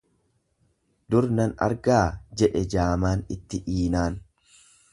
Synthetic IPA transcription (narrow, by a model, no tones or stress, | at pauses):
d̪ʊɾnɐnɐ̰ɾɡaːd͡ʒɛᶑɛd͡ʒaːmaːnɪt̪ːɪʔiːnaːn